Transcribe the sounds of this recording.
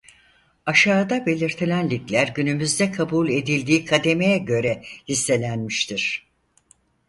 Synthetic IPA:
aʃaːd̪abe̞lʲiɾt̪ʰilʲænlʲiclʲæɾɟynymyzd̪ɛkʰabulʲe̞d̪ilʲd̪iːkʰad̪e̞mejɛɟø̞ɾɛhisːe̞lʲænmiʃt̪ʰiɾ̥

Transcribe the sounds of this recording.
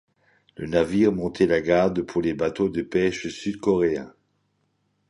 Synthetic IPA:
lə̰naviʁmɔ̃t̪ʰɛlaɡaʁd̪pʰuʁlebat̪od̪əpɛʃsyd̪kɔʁeɛ̰̃

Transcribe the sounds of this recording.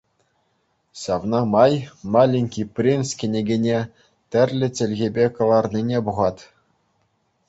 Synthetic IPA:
ɕɑʋnɑmɑjmɑlʲinʲkʲipʲrʲinskʲĕnʲeɡʲenʲe | tʲɘ̆rʲlʲɘ̆tʲɘ̆lʲɣʲebʲekɤ̆lˠɑrnʲinʲebuʁɑt̪ʲ

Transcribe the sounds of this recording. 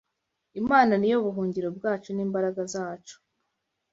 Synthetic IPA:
imaːnanijo̞βuɦuːɲɟiɾo̞b̚ɡaːt͡ʃoniːmbaɾaɡazaːt͡ʃo̥

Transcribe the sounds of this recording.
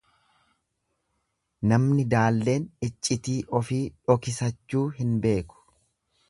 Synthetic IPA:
nɐmnɪd̪aːlːe̞ːnɪt͡ʃʼːɪt̪iːʔɔfiːᶑɔkɪsɐt͡ʃːuːɦɪnbe̞ːkʊ̥

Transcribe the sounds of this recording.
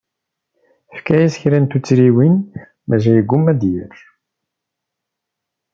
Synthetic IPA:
fkæjæsçɾænt̪ut͡sːɾiwin | mæʒæjəɡːumːæd̪jæɾ

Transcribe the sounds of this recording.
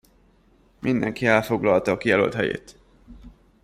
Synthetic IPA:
mʔind̪ɛŋkiɛlfo̞ɡlɒlt̪ɒːkijɛlølt̪hɛjḛːt̪

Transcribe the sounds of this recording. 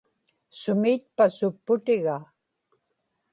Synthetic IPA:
sʊmiːt̪̚pasʊpːʊt̪ɪɣa

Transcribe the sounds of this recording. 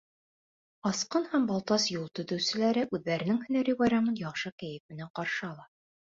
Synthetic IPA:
ɑsqɤnhæmbɑlˠt̪ɑsjulˠt̪ɵ̆t̪ɵ̆wsɘ̆læɾɘʔʉðːæɾɘ̆nɘŋhɵ̆næɾɘbɑjɾɑmɤnjɑχʃɤkæjɘfmɘ̆næɴqɑɾʃɤɑlˠɑ

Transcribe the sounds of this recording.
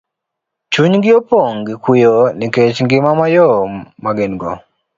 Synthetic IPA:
t͡ʃuɲŋɡɪɔpɔŋɡɪkujɔniket͡ʃŋɡɪmamajɔmaɡɛnɡɔ

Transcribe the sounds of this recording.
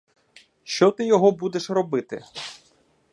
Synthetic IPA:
ʃt͡ʃɔt̪ɪjɔɦɔbud̪eʃrɔbɪt̪ɪ̰

